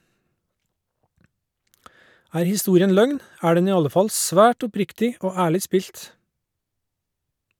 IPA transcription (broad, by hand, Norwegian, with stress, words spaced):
ˈæːɾ hɪˈstuːɾɪən ˈlœŋn ˈæː ˈɖɛn ˈiː ˈɑlə ˈfɑl ˈsʋæːʈ ʊˈpɾɪktɪ ˈoː ˈæːɭɪ ˈspiːlt